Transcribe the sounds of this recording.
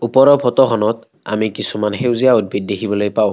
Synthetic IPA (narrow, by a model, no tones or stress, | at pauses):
upɔɹɔpʰɔtɔxʰɔnɔt | a̰mikisumanxewzijaud̚bʱit̚dekʰibɔlojpaʊ̃